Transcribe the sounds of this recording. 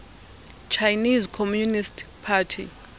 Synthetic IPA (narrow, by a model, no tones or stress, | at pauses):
t͡ʃʰajnizkʰɔmjunistʰpʰatʰḭ